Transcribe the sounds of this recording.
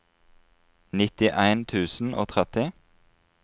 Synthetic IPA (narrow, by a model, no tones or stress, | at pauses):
nɪt̪ɪʔæɪnt̪ʰʉːsn̩ʔo̰ːt̪ʰʁɛt̪ɪ